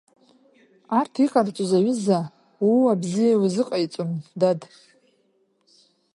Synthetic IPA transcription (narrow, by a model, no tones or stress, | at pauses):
artʰiqʼart͡ʃʷʼʊzaɥɪza | wiabzijawizɨqʼajit͡sʷʼʊndad